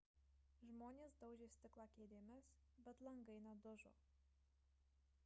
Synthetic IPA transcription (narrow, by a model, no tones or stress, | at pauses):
ʒmoːnʲeːsd̪ɐʊʒʲesʲt̪ʲɪklˠɑːkʲeːd̪ʲeːmʲɪs | bʲɛt̪lˠɐŋɡɐɪnɐd̪ʊʒo̰